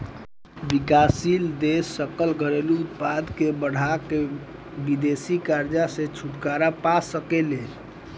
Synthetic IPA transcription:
bikasild̪esːəkəlɡʱəɾeluut̪̚pad̪kebəɽ̤ake | bid̪esikaɾd͡ʒasẽt͡ʃʰuʈkaɾapasəkelel

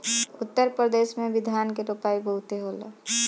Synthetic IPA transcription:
ʊt̪ːəɾpɾəd̪eːsmẽbɪd̪ʱjaːnkeɾopaːiboɦut̪eɦoːlə̰

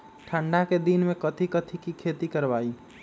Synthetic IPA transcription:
ʈʰəɳɖaked̪inmekət̪ʰikət̪ʰikikʰet̪ikəɾbai

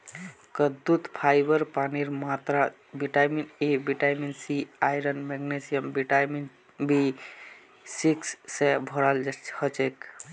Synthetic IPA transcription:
kəd̪ut̪pʰajbəɾpaniɾmat̪ɾa | biʈajminebiʈajminsiajɾənmɛɡnesijəmbiʈamin | bi | siksːẽbʱɔɾalhət͡ʃek

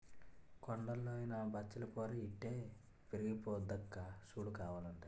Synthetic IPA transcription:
koɳɖɐlːoːjnabʱɐt͡ʃːɐlɐkoːɾɐiʈːe̞ː | piɾiɡipoːd̪ɐkːaʃuːɽukaːʋaːlɐɳʈa

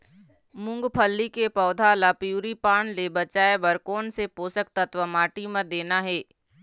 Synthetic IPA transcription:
mʊ̃ŋɡpʰəlːikepɔːd̪ʱalapjuːɾipaːɳlebɐt͡ʃaːebɐɾkoːnsepoːsək̚t̪ət̪ʋəmaːʈimãd̪eːnaɦɛː

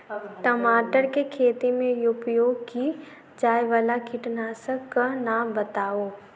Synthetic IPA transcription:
ʈɐmaːʈəɾkekʰeːt̪imẽjʊpijoki | d͡ʒaːjʋɐlakʰɪʈnaːsəkɐnabɐt̪aːoː

